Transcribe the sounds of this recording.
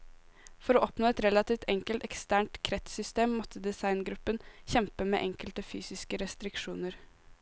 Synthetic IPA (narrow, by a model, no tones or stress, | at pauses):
fɔɾoːʔɔpnoːɛt̪ɾɛlɑt̪iːʋt̪ʰɛŋkəlt̪ɛkst̪æːɳʈ̪kʰɾɛt̪sʏst̪eːmːɔt̪ʰəd̪ɛsɑɪnɡɾʉpːənçɛmpəmḛːʔɛŋkəlt̪əfy̰ːsɪskəɾɛst̪ɾɪkʂuːnəɾ